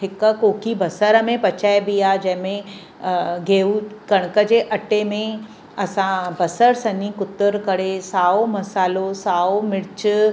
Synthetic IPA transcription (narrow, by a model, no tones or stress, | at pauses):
ɦɪkkoːkibɐsəɾəmẽpɐt͡ɕaːjbijad͡ʑɐ̃ɦɪ̃mẽ | ɡʱeːukɐɽ̃kəd͡ʑeːʔɐʈemẽ | ɐsãbɐsəɾsɐnikʊt̪əɾkɐɽesaːomɐsaːlosaːomɪɽt͡ɕ